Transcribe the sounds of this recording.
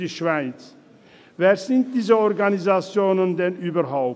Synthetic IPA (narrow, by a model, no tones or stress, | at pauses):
iːʃv̥aɪt͡s | veːɐzɪnt̚d̥iːzəɔʁɡanizat͡sjoːnəndɛnʔyːbɐɦaʊ